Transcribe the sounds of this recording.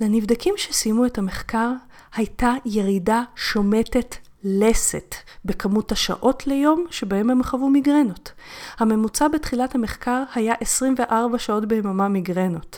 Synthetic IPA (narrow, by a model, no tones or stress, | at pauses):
lenivdakimʃe̞simue̞thame̞χkaʁ | hajtaje̞ʁidaʃo̞me̞te̞t | le̞sḛtbe̞kamuthaʃa̰ʔo̞tʰle̞jo̞mʃe̞bahe̞mhamχavumiɡʁe̞no̞thame̞mut͡sabetχilathameχkaʁhajaʔesʁimve̞ʔaʁbaʃao̞tbeːmamamiɡʁe̞no̞t